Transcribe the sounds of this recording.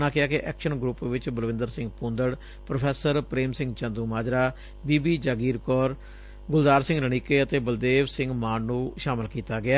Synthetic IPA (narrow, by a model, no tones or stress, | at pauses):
naːkɪaːkɪʔɛːkʃənɡɾupʋɪt͡ʃbəlʋɪ̃nd̪əɾsɪ̃ŋɡpũːnd̪əɽ | pɾopʰɛːsəɾpɾeːmsɪ̃ŋɡt͡ʃə̃nd̪uːmaːd͡ʒɾaː | biːbiːd͡ʒaːɡiːɾkɔːɾ | ɡʊld̪aːɾsɪ̃ŋɡɾəɳ̃iːkeːət̪eːbəld̪eːʋsɪ̃ŋɡmaːnːũːʃaːmɪlkiːt̪aːɡɪaː